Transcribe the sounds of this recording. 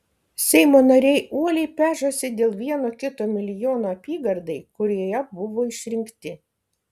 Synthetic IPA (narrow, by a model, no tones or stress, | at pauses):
sʲɛɪmoːnɐɾʲɛɪʔuɔlʲɛɪpʲæːʒosʲɪd̪ʲeːlˠʋʲiɛnoːkʲɪt̪oːmʲɪlʲɪjoːnoːɐpʲiːɡɐɾd̪ɐɪkʊɾʲjɛbʊʋoːɪʃʲɾʲɪŋʲkt̪ʲɪ